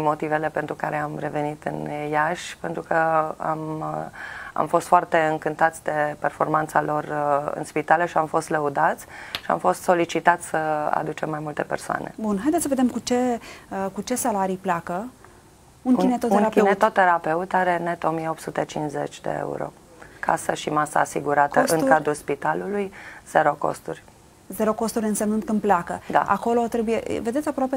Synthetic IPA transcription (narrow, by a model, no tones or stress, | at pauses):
mo̞t̪ivele̞pent̪ɾukaɾeamɾe̞ve̞nit̪ɨ̰njaʃʲpent̪ɾukəa̰m | a̰mfo̞st̪foart̪e̞ɨŋkɨnt̪at̪sʲd̪e̞perfo̞rmant̪salo̞rɨ̰nspit̪aləʃiamfo̞st̪ləud̪at̪sʲʃia̰mfo̞st̪so̞lit͡ʃit̪at̪sʲsəa̰d̪ut͡ʃe̞mːajmult̪e̞pe̞̰rsoa̰ne̞̰bunɦajd̪et̪səve̞d̪emkut͡ʃe̞əkut͡ʃe̞salaɾiplakə | uninet̪ot̪ːeɾap̪enuet̪ot̪ːeɾape̞ut̪aɾe̞net̪o̞mijeo̞pt̪sut̪e̞t͡ʃinzet͡ʃʲd̪ḛḛṵɾo̞̰ | kʰasəʃimasaːsiɡuɾat̪əʔɨŋkad̪ɾulspit̪alulujz̥eɾo̞ko̞̰st̪urʲ | zeɾo̞ko̞st̪uɾʲɨnsemnɨnt̪kɨnd̪plakəd̪a̰ʔa̰ko̞lo̞t̪ɾe̞bujḛʔve̞d̪et̪sʲapɾoape